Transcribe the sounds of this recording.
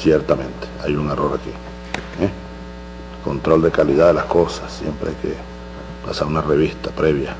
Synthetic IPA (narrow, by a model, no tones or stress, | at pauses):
sjeɾt̪amẽnt̪e̥ajuŋeroɾaki | e | lko̞nt̪ɾo̞ld̪ekalið̞aðelaskosḁssjḛmpɾeajkḛ | pasaɾunareβist̪apɾeβja